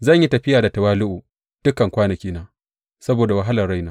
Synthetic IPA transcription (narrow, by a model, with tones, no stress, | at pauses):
zɐ˦˨ɲji˦tɐ˨ɸɪ˦jaː˨da˨tɐ˨waː˦lʊ˦ʔu˨ | d̥ʊ˦kɐ˨ŋkʷaː˦nɐ˨kʲiː˦naː˦ | sɐ˦boː˨da˨wɐ˨ɦa˦lɐ˨rɽa˦jnaː˦